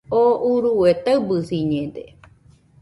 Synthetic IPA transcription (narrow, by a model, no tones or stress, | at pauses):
ouɾuwet̪aɨbɨsiɲẽd̪ḛ